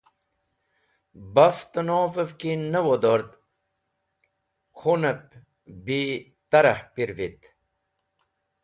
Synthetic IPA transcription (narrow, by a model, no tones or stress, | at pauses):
bɐft̪ənoːvəvkinəwod̪oɾt̪ | xʰunəp̚ | bi | t̪ɐɾɐhpiɾvit̪